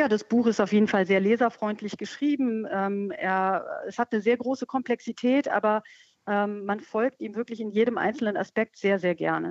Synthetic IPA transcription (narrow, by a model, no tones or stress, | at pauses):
jaːdasb̥uːxɪstaʊfjeːdn̩falzeːɐleːzɐfʁ̥ɔʏntʰlɪçɡ̥əʃʁ̥iːbm̩ɛːmḛːɐɛshat̚nəzeːɐɡʁoːsəkʰɔmplɛksitʰɛːtʔa̰ːbɐ | ʔɛːmːanfɔlk̚tʔiːmvɪɐklɪçɪnjeːɾəmʔa̰ɪnsl̩nəna̰spɛk̚tz̥eːɐzeːɐɡɛ̰ɐnə̰